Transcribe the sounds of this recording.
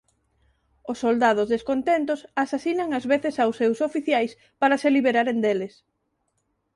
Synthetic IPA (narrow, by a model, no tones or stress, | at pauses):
osːold̪að̞ʊzðeskont̪ent̪osasasinaŋazβeθesawsːewsofiθjajs | paɾɐseliβeɾaɾend̪eles